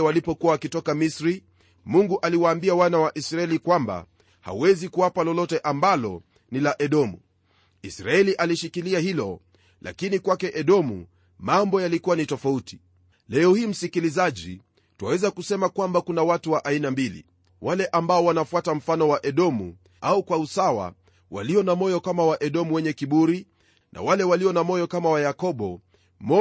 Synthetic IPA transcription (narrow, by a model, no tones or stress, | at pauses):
walipɔkuwaːkitɔkamisɾi | muŋɡuʔaliwaːmbiawanawaʔisɾaɛlikwamba̰ | ha̰wɛzikuwapalɔlɔtɛʔambalɔ̰ | nilaʔɛɗɔmṵ | isɾaɛliʔaliʃikiliahilɔ | la̰kinikwakɛʔɛɗɔmṵ | mambɔjalikuwanitɔfauti̥ | lɛɔhiːm̩sikilizaʄḭ | tuwawɛzakusɛmakwambakunawatuwaʔainambilḭ | walɛʔambaɔwanafuatam̩fanɔwaʔɛɗɔmṵ | aukwausawa̰ | wa̰liɔnamɔjɔkamawaʔɛɗɔmuwɛɲɛkiɓuɾi | nʔa̰walɛwaliɔnamɔjɔkamawajakɔɓɔ | mɔ